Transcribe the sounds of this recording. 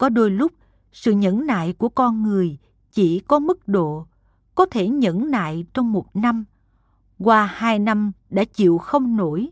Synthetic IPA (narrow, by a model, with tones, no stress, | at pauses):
kɔ˨˦ɗo˧jlʊ˦˥k͡p̚ | sɨ̰˧˨ɲə̰˧˥nna̰ː˧˨jku˧˩əkɔ˧nŋɨ˨˩əj | t͡ɕi˧˩kɔ˨˦mɨ˦˥k̚ɗo̰˧˨ | kɔ˨˦t̪ʰe˧˩ɲə̰˧˥nna̰ː˧˨jt͡ɕɔ˧wŋ͡mmo˨˩t̚na˧m | ɣwaː˨˩haː˧jna˧mɗa̰ː˧˥t͡ɕḭ˧˨əwxə˧wŋ͡mno˧˩j